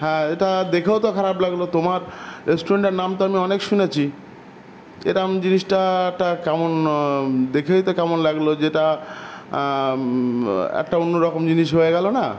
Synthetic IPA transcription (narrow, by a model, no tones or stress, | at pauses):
ɦɛ̃eʈad̪ekʰewt̪okʰaɾablaɡlot̪omaɾɾesʈuɾeɳʈeɾnamt̪oamiɔnekʃunet͡ɕʰi | ḛʈamd͡ʑiniʃʈaɛk̚ʈakɛmon | d̪ekʰet̪okɛmonlaɡlod͡ʑeʈa | ɛ̰kʈaonːoɾɔkomd͡ʑiniʃɦoeɡɛlona